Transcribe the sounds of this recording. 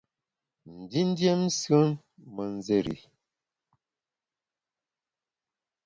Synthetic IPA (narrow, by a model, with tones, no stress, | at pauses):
n̩˨di˦n˦dje˦msə˦n | mə˨n˦ze˦˨ɾḭ˨